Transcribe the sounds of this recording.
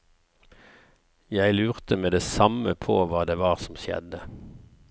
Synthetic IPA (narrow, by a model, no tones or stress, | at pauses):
jæɪlʉːʁt̪əmeːd̪eːsɑməpʰoːʋɑːd̪eːʋɑːʁsɔm̩sjɛ̰d̪ə